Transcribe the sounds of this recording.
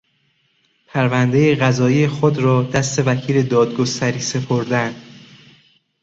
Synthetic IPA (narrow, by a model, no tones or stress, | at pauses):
pʰæɾvænd̪ejeɣæzɒːijexod̪ɾɒːd̪̥æst̪e̞vækʰiːle̞d̪ɒːd̪ɡost̪ʰæɾiːse̞pʰoɾd̪ænd̪̥